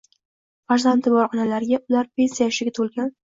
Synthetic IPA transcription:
faɾzant̪ʰɪbɒɾqɒnalaɾɪɡʲaʔʊlaɾpʰʲe̞nsijaʃɪɡʲat̪ʰolˠɡʲan

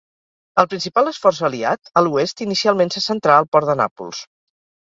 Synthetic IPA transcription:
əlˠpɾinsipalˠəsfɔɾzəliat̪əluest̪inisialˠmensəsənt̪ɾaəlˠpɔɾd̪əna̰pṵlˠs

